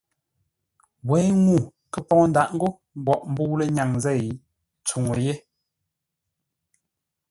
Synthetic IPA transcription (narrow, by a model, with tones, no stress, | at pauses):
wɛ˨˦ŋu˦˨ | kə˨pɔ˦ŋ˦n˦da˨ʔŋ̩˦ɡo˦ | m˦bɔ˨ʔm˦bu˦le˦ɲa˨ŋzɛ˦˨˦ | t͡su˨ŋo˨je˦